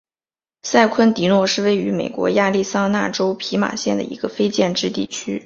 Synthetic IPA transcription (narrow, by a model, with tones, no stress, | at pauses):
sa˥˩ɪkʰwə˥nt̪i˧˥nwɔ˥˧ʂɻ̩˥˧we˥˩ɪy˧˥me˨˩ɪkwɔ̰˧˥ja˥˧li˥˩sɑ˥ŋna̰˥˩ʈ͡ʂo˥ʊpʰi˧˥ma̰˨˩ɕjɛ˥˩nd̪ə̰˩ḭ˧˥ɡə˧fe˥ɪt͡ɕjɛ˥˧nʈ͡ʂɻ̩˥˧t̪i˥˩t͡ɕʰy˥